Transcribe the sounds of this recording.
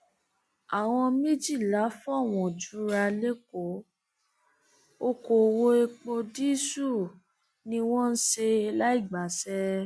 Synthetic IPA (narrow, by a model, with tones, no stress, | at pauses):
a˨w̃ɔ̃˧mẽ˦d͡ʒi˦˨la˨˦fɔ˦˨w̃ɔ̃˨d͡ʒu˨˦ɾa˧le˦ko˨˦ | o˧ko˨wo˧e˧k͡po˧di˦su˦˨ | nĩ˧w̃ɔ̃˦n̩˦ʃe˧la˦i˦˨ɡ͡ba˨˦sɛ˦